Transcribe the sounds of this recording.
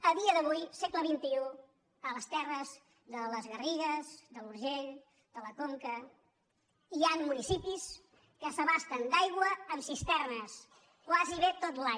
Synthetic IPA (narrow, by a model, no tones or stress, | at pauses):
əðiəðəβ̞ujsekləβint̪iu | ələst̪ɛrəz | ðələzɣəriɣəzd̪əluɾʒeʎ | d̪̥ələkoŋkə | ianmunisipis | kəsəβast̪ənd̪ajɣwəːmsist̪ɛrnəs | kwaziβet̪ot̪la